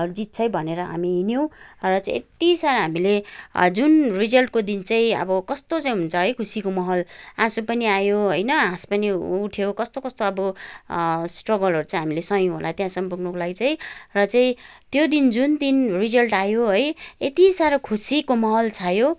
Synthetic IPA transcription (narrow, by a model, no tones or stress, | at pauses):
ʌɾud͡zit̪̚t͡sʰʌjbʱʌneɾʌɦa̰miɦinjow̃rʌt͡saĩet̪isaɾʌɦamiled͡zunrid͡zʌlʈkod̪int͡saĩʌ̰bʌkʌst̪ot͡saĩɦunt͡sʰʌɦʌjkʰusikomʌɦʌlãsupʌniajoɦojnʌɦãspʌniuʈʰjokʌst̪okʌst̪oʌbʌ | sʈrʌɡʌlɦʌɾut͡saĩɦamilesʌjõɦo̰lʔa̰t̪jãsʌmpuɡnʌkolaɡit͡sʌj̃rʌt͡saĩt̪jod̪ind͡zund̪inrid͡zʌlʈajoɦojet̪isaɾʌkʰusikomʌɦʌlt͡sʰajo